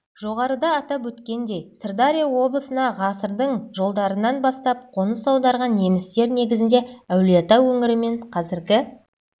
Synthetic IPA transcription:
ʒ̥oʁɑɾəd̪ɑːt̪ɑpwɵt̪kʲe̞nd̪e̞jsərd̪aɾʲijawo̞blˠəsənɑʁɑsəɾd̪əɴʒo̞lˠd̪ɑɾənɑnbɑst̪ɑp̚qʰo̞nəsɑwd̪ɑɾʁɑnje̞mɪst̪e̞ɾne̞ɡʲɪzɪnd̪e̞æwlet̪ɑwɵŋɪɾɪme̞ɴqʰɑzɪɾɡʲɪ

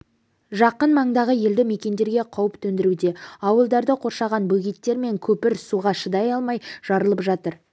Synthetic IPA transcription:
ʒɑqənmɑɴd̪ɑʁəje̞ld̪ɪme̞kʲe̞nd̪e̞ɾɡʲe̞qʰɑwəpt̪ʰɵnd̪ɪɾud̪e̞ɑwəlˠd̪ɑɾd̪əqʰo̞ɾʃɑʁɑnbɵɡʲijt̪ːe̞ɾme̞ŋkʲʰɵpɪɾsuʁɑʃəd̪ɑjɑlˠmɑjʒ̥ɑɾəlˠəpʒɑt̪əɾ

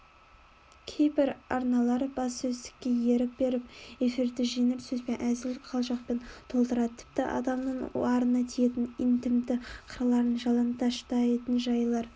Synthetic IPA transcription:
kʲʰejbɪɾɑ̰ɾnɑlˠɑɾəb̥ɑssɵzt̪ɪ̥kʲːe̞je̞ɾɪp̚be̞ɾɪpe̞fiɾd̪ɪʒenɪɾsɵzbe̞nʔæzɪlqʰɑlˠʒɑq̚pe̞nt̪ʰo̞lˠt̪əɾɑd̪ət̪ʰɪ̥p̚t̪ɪʔɑ̰d̪ɑmnəɴɑɾənɑt̪ʰijet̪ɪnɪnt̪ɪmd̪ɪqʰəɾɑlˠɑɾənʒɑlˠɑnt̪ɑʃt̪ɑet̪ɪnʒɑjlˠɑɾ

